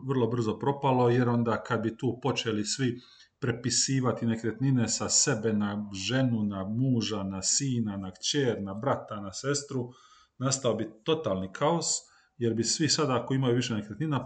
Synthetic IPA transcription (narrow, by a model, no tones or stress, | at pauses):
ʋr̩lˠo̞br̩zo̞pɾo̞palo̞je̞ɾo̞nd̪aːkad̪̚bit̪uːpo̞t͡ʃelisʋi | pɾe̞pisiːʋat̪ine̞kɾe̞t̪nine̞sase̞be̞naʒe̞nunamuːʒanasiːnanakt͡ʃeːɾnabɾat̪anase̞st̪ɾu | nast̪aobit̪o̞t̪aːlˠnikʰaos | je̞ɾbisʋisad̪akoimajuʋiʃ̬enekɾet̪nina